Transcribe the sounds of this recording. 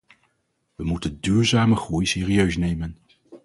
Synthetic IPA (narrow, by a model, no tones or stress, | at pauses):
ʋəmutəndyːɹzaːməχrujsɪːriøɥsnejmən